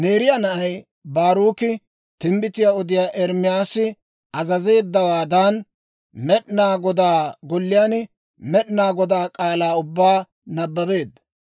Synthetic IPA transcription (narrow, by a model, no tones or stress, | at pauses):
ne̞ːɾɪjanɐʔɐj | baːɾuːkɪ | t̪ɪmbɪt̪ɪjaːɔd̪ɪjaːʔɛɾmɪjaːsɪ | ɐzɐze̞ːd̪ːɐwaːd̪an | mɛɗnaːɡɔd̪aːɡɔlːɪjaːn | mɛɗnaːɡɔd̪aːkʼaːlaːʊbːaː | nɐbːɐbe̞ːd̪ːɐ̥